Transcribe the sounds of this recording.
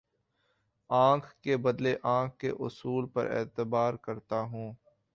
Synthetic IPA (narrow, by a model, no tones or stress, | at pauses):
ãːkʰkebɐd̪leʔãːkʰkḛʔʊ̰suːlpɐ̰ɾḛːt̪əbaːɾkɐɾt̪aɦũː